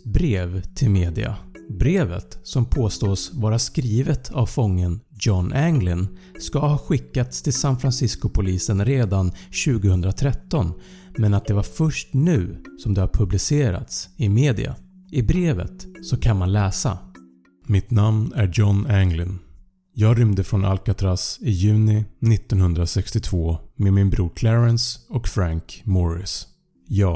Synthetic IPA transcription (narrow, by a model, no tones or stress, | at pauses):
bɾeːvt̪ʰɪlmeːd̪ɪ̰a̰bɾeːvə̰t̪sɔmpʰoːst̪oːsvɑːɾaskɾiːvət̪ʰavfɔŋːən | d͡ʒɔnæŋɡlɪn | skahɑːɧɪkːat̪st̪ʰɪlsanfɾansɪskʊpʰʊliːsənɾeːd̪anɕʉ̟ːɡəhɵnd̪ɾat̪ʰɾɛt̪ːɔn | mɛnat̪̚d̪ɛvaɾfœʂʈnʉ̟ːsɔmd̪ɛhaɾpʰɵblɪseːɾa̰t̪sɪmeːd̪ɪ̰a̰ | ʔɪbɾeːvə̰t̪sɔkʰanmanlɛːsa̰ | mɪt̪namnæd͡ʒɔnæŋlɪn | jɑːɡɾʏmd̪əfɾɔnʔa̰lkat̪ʰɾasɪjʉ̟ːnɪnɪt̪ːɔnhɵnd̪ɾasɛkst̪ɪt̪ʰvoːmeːd̪mɪnbɾuːɾkʰlɛɾɛnsɔkfɾaŋkmɔɾɪ̰s | jɑː